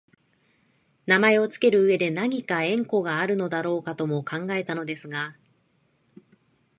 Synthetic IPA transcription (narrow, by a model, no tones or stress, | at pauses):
namae̞o̞t͡sɨ̥ke̞ɾɯ̟ːe̞d̪e̞naɲ̟ikaẽ̞ŋko̞ɡaːɾɯ̟no̞d̪aɾo̞ːkat̪o̞mo̞kãŋɡae̞t̪ano̞d̪e̞sɨɡa